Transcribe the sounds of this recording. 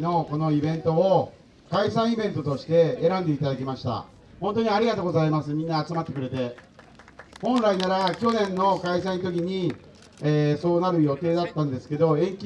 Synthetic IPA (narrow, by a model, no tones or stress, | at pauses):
no̞ko̞no̞ibẽ̞nt̪o̞ː | kaisãɰ̃ibẽ̞nt̪ot̪o̞ɕi̥t̪e̞ːɾãnd̪e̞it̪ad̪ak̬ʲimaɕi̥t̪a̰ | hõnt̪oɲ̟iaɾʲiɡat̪oːɡo̞zaimasɨmʲĩnːaːt͡sɨmat̪ːe̞kɯ̟ɾe̞t̪e̞ | hõ̞nɾainaɾakʲo̞nẽ̞nːo̞kais̬ãĩt̪̬o̞k̬ʲiɲ̟i | eːso̞ːnaɾɯ̟jo̞t̪e̞ːd̪at̪ːãnd̪e̞sɨ̥ke̞d̪o̞ẽ̞ŋkʲi